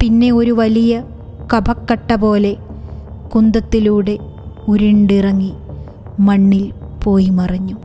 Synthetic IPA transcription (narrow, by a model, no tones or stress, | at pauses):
pinːe̞o̞ɾuʋɐlijɐ | kɐbʱɐkːɐʈːɐbo̞ːle̞ | kund̪ɐt̪ːiluːɽe̞uɾiɳɖirɐŋːi | mɐɳːilpo̞ːjimɐrɐɲːu